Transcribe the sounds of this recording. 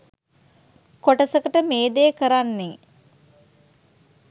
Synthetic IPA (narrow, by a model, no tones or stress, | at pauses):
koʈəsəkəʈəmeːd̪ejkəɾanːe